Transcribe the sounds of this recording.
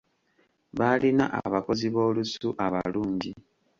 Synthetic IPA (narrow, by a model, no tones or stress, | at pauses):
βalinaʔa̰βako̞ziβo̞ːlusuʔaβa̰luːɲɟi